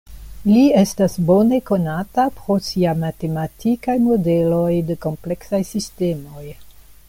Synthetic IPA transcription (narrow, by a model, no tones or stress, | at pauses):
lie̞stasbo̞ne̞ko̞natapɾo̞siamate̞matikajmo̞de̞lo̞jdeko̞mple̞ksajsiste̞mo̞j